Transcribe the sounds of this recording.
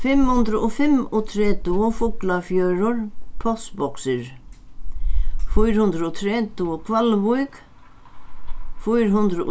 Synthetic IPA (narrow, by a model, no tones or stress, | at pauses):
fɪmhʊnd̪ɾʊʔɔfɪmɔt̪ʰɾɛːt̪ʊʊfʊklafjœɥɾʊɹpʰɔsbɔksɪɾ | fujɾhʉnd̪ɾɔt̪ʰɾɛːt̪ʊʊkʰvalvujk | fujɾɦʊnd̪ɾʊʔ